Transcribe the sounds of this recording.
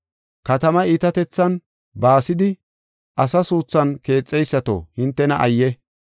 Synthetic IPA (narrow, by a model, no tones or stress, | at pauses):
kɐt̪ɐmɐiːt̪ɐt̪ɛt͡sːɐn | baːsɪd̪ɪ | ʔɐsɐsuːt͡sːɐnke̞ːt͡sʼːɛjsːɐt̪o̰hɪnt̪ːɛnɐʔɐjːɛ